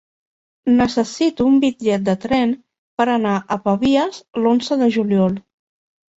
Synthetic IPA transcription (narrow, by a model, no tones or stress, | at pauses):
nəsəsit̪uːmbid͡ʒɛt̪̚d̪ət̪ɾɛn | pəɾənaʔəpəβiəzlonzəðəʒuljɔlˠ